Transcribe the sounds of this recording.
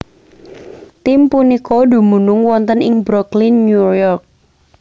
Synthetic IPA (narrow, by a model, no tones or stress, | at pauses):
t̪impunikodṳmunʊŋwɔnt̪ənɪŋbɾɔklinːujɔrk̚